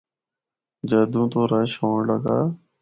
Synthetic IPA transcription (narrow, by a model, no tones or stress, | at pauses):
d͡ʒəːd̪ũːt̪oːɾəʃoːɳləɡa̰ː